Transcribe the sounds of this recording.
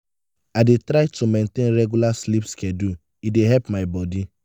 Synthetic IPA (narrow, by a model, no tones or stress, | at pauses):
aɪdetɾaɪtʰumẽntẽnɹɛɡjulaslipskɛ̃du | ideɦɛpmaɪbɔdi